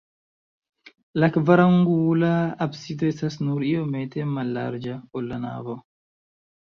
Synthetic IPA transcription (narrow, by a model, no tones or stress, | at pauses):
lakvaɾaŋɡulaːbsid̪ɔɛsasnuɾiɔmɛt̪ɛmala̰ɾd͡ʒaɔlːana̰vɔ